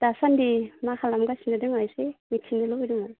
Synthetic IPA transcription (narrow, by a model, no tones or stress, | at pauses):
d̥asandimakʰalamɡasinadɯŋajsemitʰindɯlowidɯŋaj